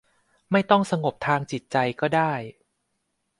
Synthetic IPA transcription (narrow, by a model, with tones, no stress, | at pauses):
ma˥˩jt̪ɔ˥˩ŋsa˧ŋo˨˩p̚t̪ʰaː˧ŋt͡ɕi˨˩t̪̚t͡ɕa˧jkɔː˥˩daː˥˩j